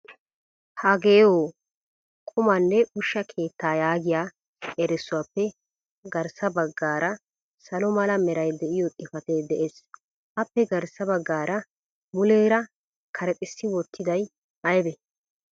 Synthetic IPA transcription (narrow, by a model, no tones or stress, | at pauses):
hɐɡe̞ːwoː | kʼʊmɐnːɛʊʃːɐkʰe̞ːt̪ːaːjaːɡɪjaː | ɛɾɛsːʊwapːɛ | ɡɐɾsɐbɐɡːaːɾɐ | sɐlɔmɐlɐmɛɾɐjd̪ɛʔɪjɔt̪ʼɪfɐt̪eːd̪ɛʔeːs | ʔɐpːɛɡɐɾsɐbɐɡːaːɾɐ | mʊleːɾɐ | kʰɐɾɛt̪ʼɪsːɪwɔt̪ːɪd̪ɐj | ʔɐjɛbɛ